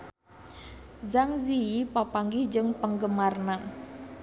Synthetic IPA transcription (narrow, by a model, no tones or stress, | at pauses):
zaŋziipapaŋɡɪhd͡ʒɨŋpəŋɡəmarnaŋ